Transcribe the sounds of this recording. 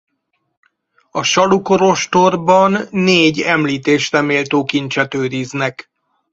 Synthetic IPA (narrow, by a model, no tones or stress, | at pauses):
ɒʃɒluko̞ɾo̞ʃt̪o̞rbɒnːeːɟɛmliːt̪eːʃrɛmeːlt̪oːkint͡ʃɛt̪øːɾiznɛk